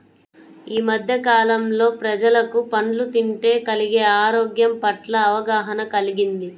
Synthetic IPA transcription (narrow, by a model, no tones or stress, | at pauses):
iːmɐd̪ʱjɐkaːlɐmlo̞ːpɾɐd͡ʒɐlɐkupɐɳlut̪iɳʈe̞ːkɐliɡeːaːɾoːɡjɐmpɐʈlɐːʋɐɡaːɦɐnɐkɐliɡind̪i